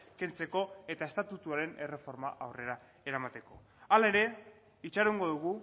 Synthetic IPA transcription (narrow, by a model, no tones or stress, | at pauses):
ke̞nt͡se̞ko̞e̞t̪ae̞st̪at̪ut̪uaɾe̞ne̞re̞fo̞ɾmaʔawre̞ɾa | e̞ɾamat̪e̞ko̞ | alaeɾe̞ | it͡ʃaɾuŋɡo̞ðuɣ̞u